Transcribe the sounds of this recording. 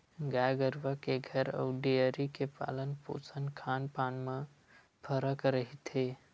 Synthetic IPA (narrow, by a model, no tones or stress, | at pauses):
ɡajɡəɾʋəkeɡʱəɾə̰ːɖijəɾikepa̰ːlənpo̰sənkʰaːnpaːnme | pʰəɾəkɾəɦit̪ʰe